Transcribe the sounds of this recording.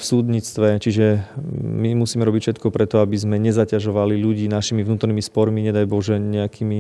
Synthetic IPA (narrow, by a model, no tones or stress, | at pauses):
fsuːd̪ɲiːt͡st̪ʋɛt͡ʃiʒɛ | mimusiːmɛɾɔbicfʃɛt̪kɔpɾɛt̪ɔabizmɛɲɛzacaʒɔʋaliʎuɟiːnaʃimivnuːt̪ɔɾniːmispɔɾmiɲɛd̪ajbɔʒɛɲɛakʰiːmi